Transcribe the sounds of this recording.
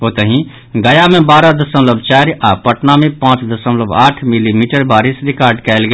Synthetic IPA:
oːt̪əɦĩ | ɡəjamẽbaːɾad̪əsəmləbt͡ʃaːɾʔaːpəʈnamẽpãːt͡ʃd̪əsəmləbaːʈʰmilimiːʈəɾbaːɾɪsɾɪkaːɾɖkɛːlɡ

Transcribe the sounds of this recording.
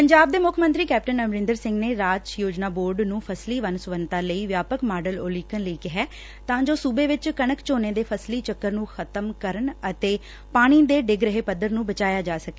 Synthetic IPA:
pəɲd͡ʒaːb̚d̪eːmʊkʰmə̃nt̪ɾiːkɛːp̚ʈənəmɾɪ̃nd̪əɾsɪ̃ŋɡneːɾaːd͡ʒjoːd͡ʒnaːboːɾɖnũːpʰəsliːʋənsʋənt̪aːləiːʋjaːpəkmaːɖəloːliːkənləiːkɪɦɛː | t̪ãːd͡ʒoːsuːbeːʋɪt͡ʃkəɳəkt͡ʃoːneːd̪eːpʰəsliːt͡ʃəkːəɾnũːkʰət̪əmkəɾəɳət̪eː | paːɽ̃iːd̪eːɖɪɡɾəɦeːpəd̪ːəɾnũːbət͡ʃaːjaːd͡ʒaːsəkeː

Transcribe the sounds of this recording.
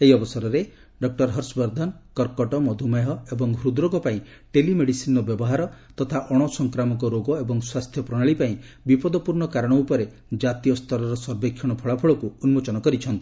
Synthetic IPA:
eiɔbɔsɔɾɔɾe | ɖɔk̚ʈɔɾɦɔɾsɔbɔɾd̪ʱɔnkɔɾkɔʈɔmɔd̪ʱumaɦɔebɔŋɦɾud̪ɾɔɡɔpaĩ | ʈelimeɽisinɔbjɔbɔɦaɾɔt̪ɔt̪ʰaʔɔɽ̃ɔsɔŋkɾamɔk̬ɔɾoɡɔebɔŋswast̪ʰjɔpɾɔɽ̃aɭipaĩ | bipɔd̪ɔpuɾɳɔkaɾɔɽ̃ɔupɔɾe | d͡ʒat̪ijɔst̪ʰɔɾɔɾɔsɔɾbekʰjɔɽ̃ɔpʰɔɭapʰɔɭɔkuunmot͡ʃɔnɔkɔɾit͡ʃʰɔnt̪i

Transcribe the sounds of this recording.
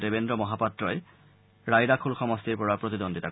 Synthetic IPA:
debendɹɔmɔɦapatɹɔe | ɹajdakʰulxɔmɔst̪iɹpɔɹapɹot̪id̪ondit̪a

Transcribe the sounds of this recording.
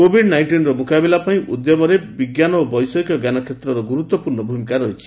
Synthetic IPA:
kobʱiɖnajɳʈinɾɔmukabelapaĩʔud̪jɔmɔɾebiɡjanɔːbɔjsɔikɔɡjanɔkʰet̪ɾɔɾɔɡuɾut̪wɔpuɾnɔbʱumikaɾɔɦit͡ʃʰi̥

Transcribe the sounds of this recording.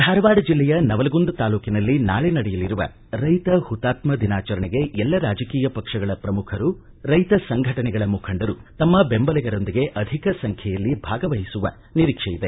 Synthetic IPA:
d̪ʱaːɾɐʋaːɽɐd͡ʒilːɛjɐnɐʋɐlɐɡund̪ɐt̪aːluːkinɐlːina̰ːɭɛnɐɽɛjɐliɾuʋɐ̰ | ɾɐjt̪ɐhut̪ːaːt̪mɐd̪inaːt͡ʃɐɾɐɳiɡe̞ɛlːɐɾaːd͡ʒɐkiːjɐpɐkʂɐɡɐɭɐpɾɐmukʰɐɾu | ɾɐjt̪ɐsɐŋɡʱɐʈɐnɛɡɐɭɐmukʰɐɳɖɐɾut̪ɐmːɐbembɐlɛɡɐɾo̞nd̪iɡe̞ʔɐd̪ʱikɐsɐŋkʰjɛjɐlːibʱaːɡɐʋɐɦisuʋɐ̰ | niɾikʂɛjid̪e

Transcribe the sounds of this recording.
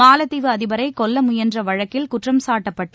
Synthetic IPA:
aːlɐt̪ːɪʋɯɐðɪbɐɾɐɪkɔlːɐmʊjɐndrɐʋɐɻɐkːɪlkʊʈrɐmsaːʈːɐpːɐʈːɯ

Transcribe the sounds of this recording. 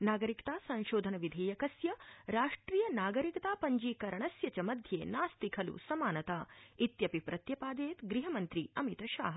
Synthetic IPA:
naːɡɐɾikt̪aːsɐ̃nʃoːd̪ʱɐnɐʋid̪ʱeːjɐkɐsjɐɾaːʂʈɾiːjɐnaːɡɐɾikɐt̪aːpɐɲd͡ʒiːkɐɾɐɳɐsjɐt͡ʃɐmɐd̪ʱjḛːnaːst̪ikʰɐlṵsɐmaːnɐt̪aːit̪jɐpipɾɐt̪jɐpaːd̪eːt̪ɡɾiɦɐmɐnt̪ɾiɐmit̪ɐʃa̰ːɦɐ

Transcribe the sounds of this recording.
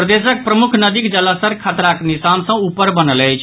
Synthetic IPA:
pɾəd̪esək̚pɾəmukʰnəd̪ikd͡ʒələsəɾkʰat̪ɾaknisansə̃upːəɾbənələjt͡ʃʰ

